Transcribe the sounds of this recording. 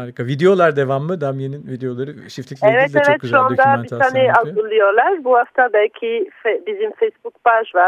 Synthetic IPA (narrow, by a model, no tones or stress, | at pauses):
haɾʲkʰavid̪ejo̞lˠaɾd̪evamːɯd̪amjeninvid̪ejo̞lˠaɾɯʃift̪ʰeɛvɛtlʲɛvɛt̪ʃuãmd̪ait̪anɛalzɯlˠɯjoɾlˠaɾbuhaft̪ʰabɛlʲcʲʰifɛbizimfɛjsbukpaʒvaɾ